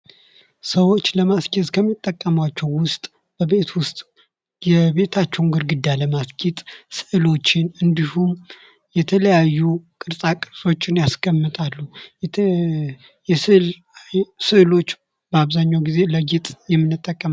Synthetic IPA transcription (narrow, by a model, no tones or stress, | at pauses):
səwo̞t͡ʃːləmaskʲʼit̪kʰəmːit̪ʼːəkʼːəmat͡ʃːɛwːʊst̪ʼ | b̥əβe̞t̪ʰwʊst̪ʼ | jɛbe̞t̪ʰat͡ʃːɛwnɡɨɾɡɨd̪ːaləmaskʰʼit̪ʼsɨʔɨlo̞t͡ʃːɪnɨnd̪ihum | jɛt̪ʰələjajːukʼɨɾsʼakʼɨɾsʼo̞t͡ʃːɪnjaskəmːɨt̪ʼalːu | jsɨl | sɨlo̞t͡ʃː | b̥əaβzaɲːawɡize̞ləɡet̪ʼjɛmːɨnɨt̪ʼːəkʼːəm